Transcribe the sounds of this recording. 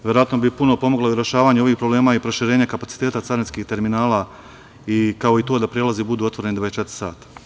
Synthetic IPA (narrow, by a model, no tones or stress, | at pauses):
ʋjeɾoat̪nobipuno̞po̞moɡloiɾjeʃaːʋaːɲeo̞ʋiːxpɾoble̞ːmaːipɾo̞ʃiɾe̞ːɲakapat̪si̥t̪e̞ːt̪at̪saːɾinskiht̪e̞ɾminaːla | ikao̞it̪oːd̪apɾjelazibud̪uːo̞t̪ʋo̞ɾe̞nid̪ʋaest͡ʃe̞t̪ɾi̥sa̰ːt̪ḁ